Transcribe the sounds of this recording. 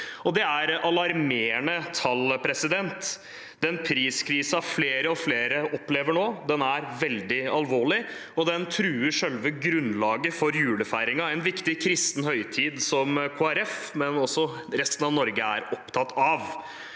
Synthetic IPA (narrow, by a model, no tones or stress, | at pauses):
ɔd̪ɛæɾɑlɑɾmeːɳət̪ʰɑlpʰɾɛsɪd̪ɛnt̪ | d̪ɛnpʰɾiːskʰɾiːsɑfleːɾəɔfleːɾəʔɔpleːʋəɳoːd̪ɛnæɾʋɛld̪ɪɑlʋoːɭɪɔd̪ɛnt̪ʰɾʉːəʂɛlʋəɡɾʉnlɑːɡəfɔɾjʉːləfæɪɾɪŋɑɛɪnʋɪkt̪ɪkʰɾɪst̪n̩hœʏt̪ʰiːd̪sɔmkʰoːæɾɛfmɛnɔsːɔ | ɾɛst̪n̩ɑʋnɔɾɡəæ̰ɾɔpt̪ʰɑt̪ːɑʋ